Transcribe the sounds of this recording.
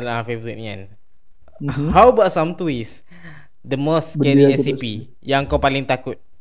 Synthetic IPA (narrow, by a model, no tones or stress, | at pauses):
lafevəɾit̪̚ŋã̰n | hawbat̚samt̪uis | d̪əmosːkɛɾiɛsipi | jãŋəŋkawpalɪŋt̪akʊt̪̚